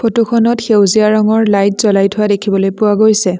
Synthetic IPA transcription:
pʰotukʰɔnɔtxewzijaɹɔŋɔɹlajtz̥ɔlajtʰʊadekʰibɔlojpʊwaɡojsɛ

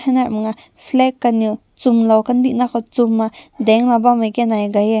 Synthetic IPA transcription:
hanaʔmŋa | fʰlɛkːaniw | t͡sumlawkand̪iʔnakɔt͡sumːad̪ɛŋlabamajkɛnajɡajɛ

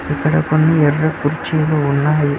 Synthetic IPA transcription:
ikːɐɽɐkonːiɛɾːɐkːuɾt͡ʃeːloːunːaːji

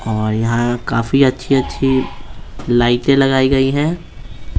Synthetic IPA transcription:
ɔːɾjɐɦãkaːfiɐtːʃʰiɐtːʃʰi | laːɪʈẽlɐɡaːiɡɐiɦɛ̃ː

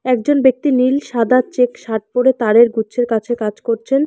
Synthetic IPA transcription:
ɛk̚d͡ʑonbek̚t̪inilʃad̪ʱat͡ɕekʃaʈ̚poɾet̪aɾeɾɡuːɕʰeɾkat͡ɕʰekad͡ʑkoɾt͡ɕʰen

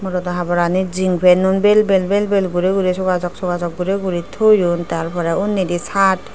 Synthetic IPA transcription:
mɔɾɔt̪ɔɦabɔɾaniziŋpʰɛnunbelbelbelbelɡuɾeɡuɾesɔɡazɔksɔɡazɔk̚ɡuɾeɡuɾit̪ʰojunt̪aɾpʰɔɾɛunːidisat

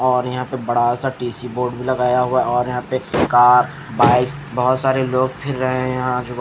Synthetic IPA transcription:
ɔːɾjɐɦãpebɐɽasaʈiːsiboːɾɖbʱilɐɡaːjaɦuaɔːɾjɐɦãpekaːɾ | baːɪksbɔɦʊt̪saːɾeloːɡ̚pʰɪɾːɐɦẽjɐɦãd͡ʒoː

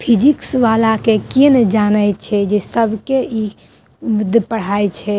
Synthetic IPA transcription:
pʰid͡ʒiksʋalakekind͡ʒanəjt͡ʃʰɛd͡ʒesəbʱkei | mud̪ʱpəɽ̤ajt͡ʃʰɛ

